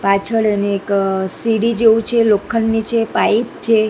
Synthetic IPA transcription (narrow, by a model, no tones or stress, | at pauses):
pat͡ʃʰəɭeneːksiɽid͡ʒeʋũt͡ʃʰelokʰːənːit͡ʃʰepaip̚t͡ʃʰe